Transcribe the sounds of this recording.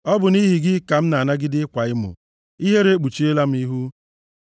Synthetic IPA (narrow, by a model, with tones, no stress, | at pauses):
ɔ˦bʊ˨ni˦ɦi˨ɡɪ˦ka˨m̩˦na˨a˨na˦ɡɪ˦dɪ˦ɪ˦kʷa˨ɪ˦mʊ̰˨ | i˦ɦe˦ɾe˦e˦k͡pu˨t͡ʃi˦e˦la˦m̩˦i˦ɦu˦